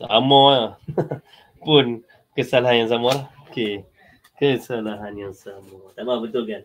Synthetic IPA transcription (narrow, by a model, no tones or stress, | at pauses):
a̰mɔ | pun | kəsalaɦanjaŋs̬amɔɾake | kəsalaɦanjaŋsamɔt̪amabət̪ulɡan